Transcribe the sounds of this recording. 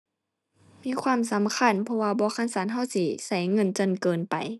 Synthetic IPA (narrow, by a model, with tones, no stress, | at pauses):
miː˧˥˨kʰwaː˧˥˨msa˨˦mkʰa˧˥˨npʰɔ˧waː˧bɔː˧˦kʰa˧˥˨nsaː˨˦nɦa˧˥˨wsi˧sa˧˩jŋɤ˧˥˨nt͡ɕo˧˨nkɤː˨npa̰˨j